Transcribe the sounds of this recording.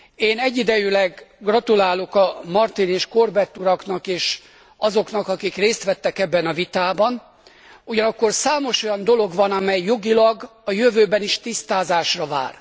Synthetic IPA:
eːnɛɟːid̪ɛjylɛɡɡrɒt̪ulaːlo̞kɒmɒrt̪ineːʃko̞rbɛt̪ːuɾɒknɒkeːʃ | ɒzo̞knɒkɒkikreːst̪ʋɛt̪ːɛkɛbːɛnɒvit̪aːbɒn | uɟɒnɒkːo̞rsaːmo̞ʃo̞jɒnd̪o̞lo̞ɡʋɒnɒmɛjːo̞ɡilɒɡɒjøvøːbɛniʃt̪ist̪aːzaːʃrɒva̰ːr

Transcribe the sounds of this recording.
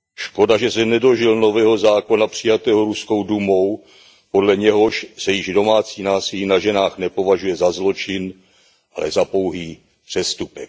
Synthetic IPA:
ʃko̞daʒɛsɛnɛdo̞ʒɪlno̞vɛːɦo̞zaːko̞napr̝̥ɪjat̪ɛːɦoɾuskowdumo̞w | po̞dlɛɲɛɦo̞ʃsɛjɪʒdo̞maːt͡siːnaːsɪliːnaʒɛnaːxnɛpo̞vaʒujɛzazlo̞t͡ʃɪn | ʔalɛ̰zapo̞wɦiː | pr̥ɛst̪upɛk̚

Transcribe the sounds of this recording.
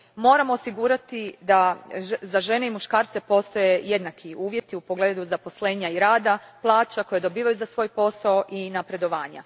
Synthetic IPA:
mo̞ːɾamo̞ːsiɡuːɾat̪id̪azaʒe̞ne̞imuʃkaːɾt̪se̞po̞st̪o̞je̞je̞d̪nakʰiuːʋje̞t̪iupo̞ɡle̞ːd̪uzapo̞sle̞ːɲaiɾaːd̪aplˠaːt͡ʃako̞jed̪o̞biːʋajuzasʋo̞ːjpo̞saoʔinapɾe̞d̪o̞ʋaːɲa̰

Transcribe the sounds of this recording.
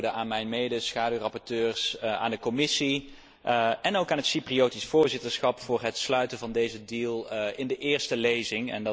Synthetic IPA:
dəaːnmɛjnmejdəsχaːdyrɑpɔɹtøːɹsa̰ːndəkomɪsi | ɛnowkaːnɦətsipriowtisfʊːɹzɪtəɹsχɑpfʊːɹɦətslœɥtənvɑndejzədilˠɪndəʔɪːɹstəlejzɪŋɛ̰n

